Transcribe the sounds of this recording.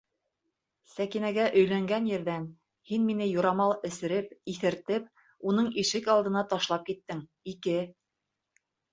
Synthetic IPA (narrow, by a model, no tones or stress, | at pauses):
sækinæɡæʔɵ̆jlæŋɡænjɘ̆ɾðæn | hinminɘjuɾɑmɑlˠɘ̆sɘ̆ɾɘpiθɘ̆ɾt̪ɘp̚ | unɤɴiʃɘkɑlˠd̪ɤ̆nɑt̪ɑʃlˠɑp̚kit̪ːɘŋ | ikɘ